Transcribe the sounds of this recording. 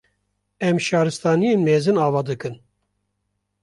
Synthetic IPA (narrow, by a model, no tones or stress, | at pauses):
ɛmʃɑːɾɨst̪ɑːnijeːnmeːzɨnɑːvɑːd̪ɨkɨn